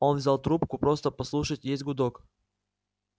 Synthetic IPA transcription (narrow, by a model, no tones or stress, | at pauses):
onvzʲalˠt̪ɾupkʊpɾost̪əpɐslˠuʂətʲjesʲtʲɡʊd̪ok